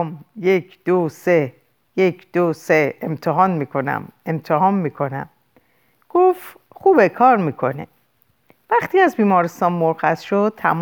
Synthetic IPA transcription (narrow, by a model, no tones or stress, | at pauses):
mjecʰd̪̥ose | jecʰd̪̥oseemt̪ʰeɦɒːnmiːkʰo̞næ̰memt̪ʰeɦɒːnmiːkʰo̞næ̰m | ɡ̥of | χuːbekʰɒːɾmiːkʰo̞nḛ | væχt̪iːæzbiːmɒːɾest̪ɒːnmoɾxæzʃod̪̚t̪ʰæ̰m